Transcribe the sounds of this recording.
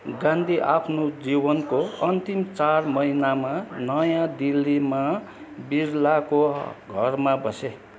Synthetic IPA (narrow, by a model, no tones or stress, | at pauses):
ɡãnd̪ʱiʔapʰnod͡zibʌnkoʌnt̪imt͡sarmʌinamanʌjãd̪ilːima | biɾlakoɡʱʌrmabʌse